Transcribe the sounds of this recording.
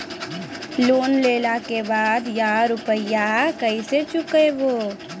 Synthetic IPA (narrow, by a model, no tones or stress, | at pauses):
loːnleːlakebaːd̪jaːɾʊpəɪjakəiset͡ʃʊkeʋoː